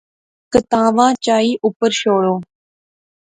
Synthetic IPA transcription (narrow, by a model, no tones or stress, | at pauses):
kət̪ãːʋãːt͡ʃaːiːʔʊpəɾʃoːɽoː